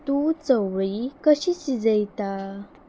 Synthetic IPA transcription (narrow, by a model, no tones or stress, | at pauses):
t̪ut͡səwɭikəɕisid͡zəjt̪a